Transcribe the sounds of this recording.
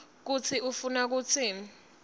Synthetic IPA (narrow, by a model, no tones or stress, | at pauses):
k̬ut͡sʰiʔufunak̬uːt͡sʰi